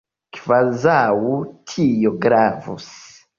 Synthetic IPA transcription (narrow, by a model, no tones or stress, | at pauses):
kvazawutʰijoɡɾavṵs